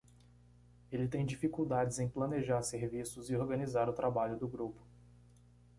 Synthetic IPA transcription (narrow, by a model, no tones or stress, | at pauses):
elɪt̪ẽj̃d͡ʒifikuwd̪ad͡ʒɪzẽj̃plɐneʒaɾseɾvisʊzɪoɾɡɐnizaɾʊt̪ɾabaʎʊd̪ʊɡɾupʊ̥